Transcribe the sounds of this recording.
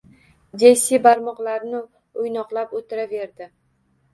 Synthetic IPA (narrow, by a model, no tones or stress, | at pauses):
d͡ʒ̪esibaɾmɒqlˠaɾnɪ | ʊjnɒqlˠapot̪ʰɪɾave̞ɾd̪ɪ